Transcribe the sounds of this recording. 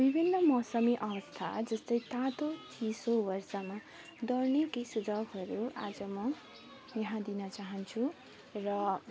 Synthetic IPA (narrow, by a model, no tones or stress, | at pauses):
bibʱinːʌmʌsʌmiʔʌwʌst̪ʰa̰d͡zʌst̪ʌjt̪at̪otʰisobʌrsama | d̪ʌrnekesud͡zʌɡɦʌɾuad͡zʌmʌ | jʌɦãd̪inʌt͡saɦʌnt͡sʰu | rʌ